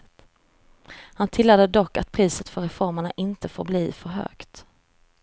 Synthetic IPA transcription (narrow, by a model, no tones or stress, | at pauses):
t̪ | hant̪ʰɪlːad̪ad̪ɔkːat̪̚pʰɾiːsət̪fœɾɛfɔɾməɳa̰ʔɪnt̪əfoːɾbliːfœɾɦø̰ːkt̪